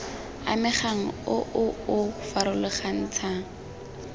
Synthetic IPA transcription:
a̰mɪχaŋ̩ʊʔʊʊfaɾʊlɪχan̩ːt͡sʰaːŋ̩

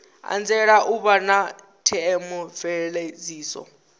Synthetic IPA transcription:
a̰nd͡zɛɺaʔuβana | tʰɛɛmɔvɛɺed͡ziːsɔ̰

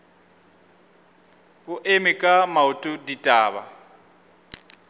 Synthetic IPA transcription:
ɣʊʔemɪkʼamautʼʊditʼaːβa̰

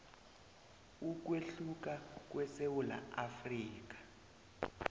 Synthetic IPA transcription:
uk̬weɬuk̬ak̬ʼwɛsewula̰afriːk̬ḁ

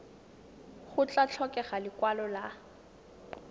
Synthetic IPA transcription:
χʊt͡ɬat͡ɬʰɔkɛχalɪkwalɔla

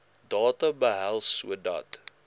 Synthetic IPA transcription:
dɑːtɐbəɦælˠsuədɐ̰t

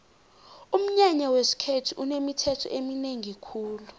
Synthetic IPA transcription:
um̩ɲaɲawesi̥kʰetʰiʔunemitʰɛtʰɔ̰ʔemineŋikʰuːlu

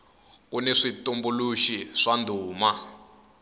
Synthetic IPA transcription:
kuneʂitumbuluʃiʂandʱuːma

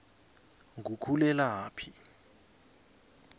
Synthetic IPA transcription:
ŋukʰulɛlaɦaːpʰi

